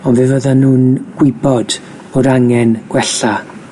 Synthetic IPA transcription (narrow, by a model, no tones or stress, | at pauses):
ɔnvɨvəðanuːnɡ̥wɪbɔd̥ | b̥oːdaŋɛnɡ̥wɛɬa